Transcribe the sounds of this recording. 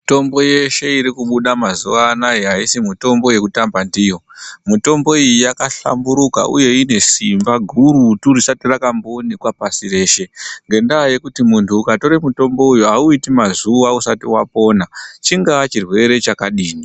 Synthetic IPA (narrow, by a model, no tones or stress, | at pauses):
to̞mbo̞je̞ʃe̞iɾikuɓuɗamazuʋaːnaeɦaisimuto̞mbo̞je̞kutambandijo̞muto̞mbo̞ijijakaɬa̰mbuɾuka̰ʔṵje̞ine̞simbaɡʱuɾutuɾisatirakambonikwapasiɾe̞ːʃe̞ŋɡe̞ndaːje̞kutimuntʰuːkato̞ɾemuto̞mbo̞ujuauitimazuʋausatiwapo̞ːnat͡ʃiŋɡaat͡ʃirwe̞ɾe̞t͡ʃakaɗiːɲi